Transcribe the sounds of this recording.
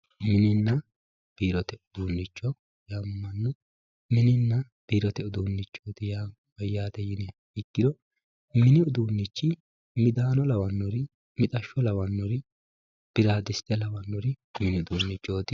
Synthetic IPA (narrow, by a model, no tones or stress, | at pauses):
mɪnɪnːɐ | b̥iːɾɔt̪ɛʊd̪uːnːɪt͡ʃːɔ | jɐmːɐnːɔ | mɪnɪnːɐ | b̥iːɾɔt̪ɛʊd̪uːnːɪt͡ʃːoːd̪ɪjaː | bɐjːaːd̪ɛjɪnɛ | ɪkːɪd̪ɔ | mɪnɪʊd̪uːnːɪt͡ʃːɪ | mɪd̪aːnɔlɐwɐnːɔɾɪ | mɪt̪ʼɐʃːɔlɐwɐnːɔɾɪ | b̥ɪɾaːd̪ɪst̪ɛlɐwɐnːɔɾɪmɪnɪʊd̪uːnːɪt͡ʃːoːd̪ɪ